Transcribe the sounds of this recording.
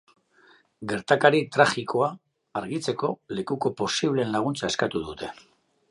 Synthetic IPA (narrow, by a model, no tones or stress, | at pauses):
ɡe̞ɾt̪akaɾit̪ɾaxikʰo̞a | aɾɣit͡se̞ko̞le̞kuko̞po̞siβ̞le̞ːnlaɣ̞unt͡sae̞skat̪uðut̪e̞